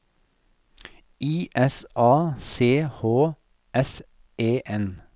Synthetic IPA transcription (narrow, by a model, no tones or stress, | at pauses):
iːʔɛsʔɑːseːhoː | ʔɛs | eːʔɛn